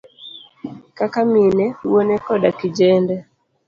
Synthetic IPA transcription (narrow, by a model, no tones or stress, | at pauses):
kakaminɛwonɛkɔɗakid͡ʒɛndɛ